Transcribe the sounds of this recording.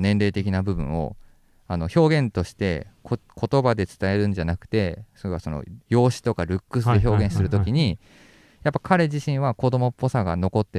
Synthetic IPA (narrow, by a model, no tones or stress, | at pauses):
nẽ̞nɾe̞ːt̪e̞kʲinabɯ̟bɯ̟̰̃ɰ̃o̞̰ | ano̞ço̞ːɡẽ̞nt̪o̞ɕi̥t̪e̞kokʰo̞t̪o̞bad̪e̞t͡sɨ̥t̪ae̞ɾɯ̟̃ɲd͡ʑanakɯ̟̥t̪e̞soɾe̞βaso̞no̰jo̞ːɕi̥t̪o̞kaɾɯ̟kːɯ̟sɨeço̞ːɡẽ̞ɰ̃sɨɾɯ̟t̪o̞kʲiɲ̟i | japːḁkaɾe̞ʑiɕĩɰ̃βako̞d̪o̞mo̞po̞saɡa̰no̞ko̞t̪ːe